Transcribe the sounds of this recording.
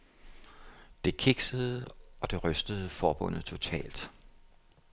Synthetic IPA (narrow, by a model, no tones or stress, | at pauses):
d̥e̝kʰeɡ̥səð̞̩ˠɒ̽d̥e̝ʁœsd̥əð̞̩ˠfɒːb̥ɔ̽n̰ð̩ˠt͡sʰo̝t͡sʰɛ̰ːld̥